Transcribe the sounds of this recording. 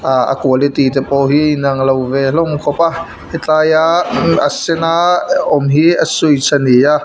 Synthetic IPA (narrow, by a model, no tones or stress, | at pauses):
aə̰kuəlet̪it̪ɛpɔɦinaŋlowvɛlɔŋkʰɔpa | it͡ɬajaasɛnaɔmɦiəsujt͡sʰanija